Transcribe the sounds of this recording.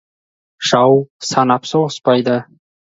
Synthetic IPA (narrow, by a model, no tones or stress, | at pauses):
ʃɑwsɑnɑpsoʁəspɑjd̪ə